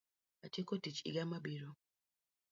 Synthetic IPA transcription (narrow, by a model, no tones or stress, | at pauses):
at͡ʃekotit͡ʃḭɡamabiɾo